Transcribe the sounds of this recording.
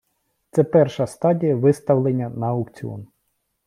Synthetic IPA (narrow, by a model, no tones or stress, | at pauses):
t̪sɛpɛrʃɐst̪ɑdʲijɐʋɪst̪ɐwlˠenʲːɐnɐːɐwkt͡sʲiɔ̰n